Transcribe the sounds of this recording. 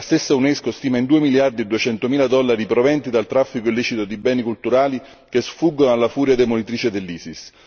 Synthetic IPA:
last̪esːauneskost̪iːmaind̪uːemiljard̪id̪uet͡ʃɛnt̪omiːlad̪ɔlːaɾipɾovɛnt̪id̪alt̪ɾafːikoilːiːt͡ʃit̪od̪ibɛːnikult̪uɾaːli | k̟esfuɡːonalːafuːɾjad̪emonit̪ɾiːt͡ʃed̪elːiːsis

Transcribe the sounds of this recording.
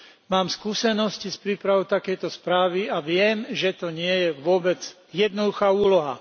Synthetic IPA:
maːmskuːsɛnɔscispɾiːpɾaʋɔt̪akɛjt̪ɔspɾaːʋiaʋɪɛmʒɛt̪ɔɲɪɛjɛʋʊɔbɛd͡z | jɛd̪nɔd̪uxaːuːlɔɦa̰

